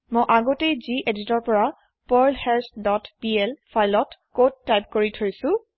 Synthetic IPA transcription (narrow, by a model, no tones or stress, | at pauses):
mojʔaɡotejziʔeditɔɹpɔɹa | pɔɹlhɛɹsdɔtpiɛlpʰajlɔtkod̚ːajp̚koɹitʰojsʊ̃